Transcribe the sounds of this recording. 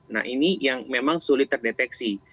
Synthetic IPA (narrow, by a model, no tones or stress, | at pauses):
na̰hinijaŋmemaŋsulɪt̪ːərdet̪ɛksi